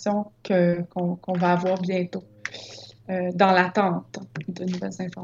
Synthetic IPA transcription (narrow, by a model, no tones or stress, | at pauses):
sjɔ̃kʰəkɔ̃kɔ̃vaːvwaːʁbjɛ̃t̪o | ød̪ɑ̃lat̪ɑ̃ːt̪d̪ənuvɛlzɛ̃fɔʁ